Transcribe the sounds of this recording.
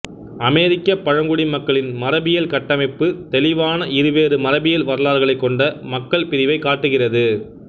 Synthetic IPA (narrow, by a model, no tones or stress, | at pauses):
ɐmeːɾɪkːɐpːɐɻɐŋɡʊɽimɐkːɐɭɪnmɐɾɐbɪjɐlkɐʈːɐmɐɪpːɯt̪ɛlɪʋaːnɐʔɪɾɯʋeːɾɯmɐɾɐbɪjɐlʋɐɾɐlaːɾɣɐɭɐɪkːɔɳɖɐmɐkːɐɭpɪɾɪʋɐɪkːaːʈːɯɣɪrɐðɯ